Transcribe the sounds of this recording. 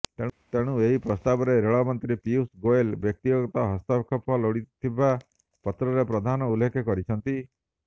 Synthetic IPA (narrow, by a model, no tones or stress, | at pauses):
t̪et̪eɽ̃ũeɦipɾɔst̪abɔɾeɾeɭɔmɔnt̪ɾipiusɡoelbjɔk̚t̪iɡɔɡɔt̪ɔɦɔst̪ɔbkʰɔpɔloɽit̪ʰiba | pɔt̪ɾɔɾepɾɔd̪ʱanɔulekʰɔkɔɾit͡ʃʰɔnt̪i